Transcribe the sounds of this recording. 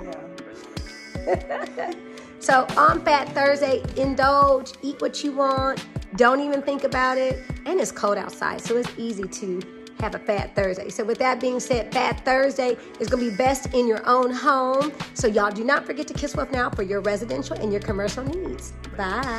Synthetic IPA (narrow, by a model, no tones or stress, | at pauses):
soʊʔə̃nfæt̪̚θɜ˞zdeɪɪ̃ndʌllˠd͡ʒiʔ̚wʌt͡ʃɨwɑ̃ntd̥õʊ̃ntivɨ̃nθɪ̃ŋkɨbaʊɾɪt̚ɨ̃nɨtskʰoʊlˠɾa̰ʊtsa̰ɪd̥soʊɨtsiziɾɨ | ɨvɨfæt̪̚θɜ˞zdeɪsoʊwɨðaʊt̚b̥iɪ̃ŋsɛd̚fæt̪̚θɜ˞zdeɪ | ɨtsɡ̥ʌnəbibɛstɪ̃njə˞ʔõʊ̃nɦõʊ̃msoʊjalˠdɨnətfə˞ɡɛtʰɨkʰɪswʌθnaʊfə˞jə˞ɹɛzɨdɛ̃nʃl̩ˠɨ̰̃njə˞kʰɨmɜ˞ʃl̩ˠnidz̥ | b̥a